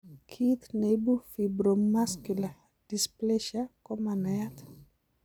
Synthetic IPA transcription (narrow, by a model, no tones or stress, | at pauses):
kʰit̪nebufibɾomaskula | d̥isplɛʃakɔmanɛat